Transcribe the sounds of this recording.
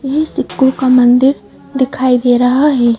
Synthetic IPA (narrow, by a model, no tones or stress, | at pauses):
jesɪkːukamə̃nd̪ɪɾ | d̪ɪkʰaːid̪eːɾɐɦaɦɛː